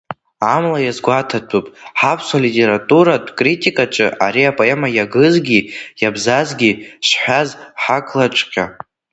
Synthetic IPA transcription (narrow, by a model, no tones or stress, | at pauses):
amlajazɡʷatʰatʰupʼħapʰsalitʲʼe̞ɾatʼuɾadʷkʼritʼikʼat͡ʃʼɨʔaɾiapʼoemajaɡɨzɡʲijabzazɡʲiʃħʷᶣazħakʰʼlat͡ʃʷʰʼqʲa